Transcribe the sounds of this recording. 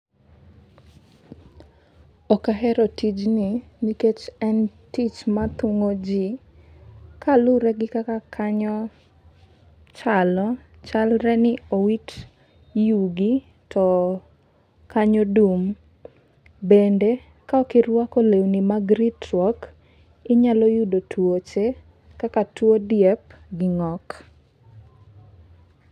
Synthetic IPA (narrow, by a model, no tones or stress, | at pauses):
ɔkaɦɛɾɔtid͡ʒnɪniket͡ʃɛntit͡ʃmat̪ʊŋod͡ʒi | kalʊɾɛɡɪkakakʰaɲɔ | t͡ʃalɔ | t͡ʃalɾɛnɪowit | juɡi | tʰɔ | kaɲɔdum | bende | kaɔkɪrwakolewnimaɡɾitɾwɔk | ɪɲalɔjudotʰwot͡ʃe | kakatwodjɛpɡɪŋɔk